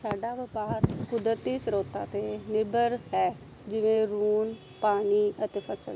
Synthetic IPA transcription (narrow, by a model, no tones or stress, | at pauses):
saːɖaːʋɪpaːɾkʊd̪ɾət̪iːsəɾoːt̪ã̰ːt̪eːnɪbəɾɦɛː | d͡ʒɪʋẽːɾuːn | paːniːət̪eːpʰəsə̰l